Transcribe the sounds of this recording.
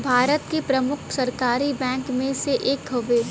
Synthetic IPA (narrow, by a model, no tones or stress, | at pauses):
bʱaːɾət̪kepɾɐmʊkʰsɐɾkaːɾibɛ̃ːŋkmẽseʔeːkɡoʋeː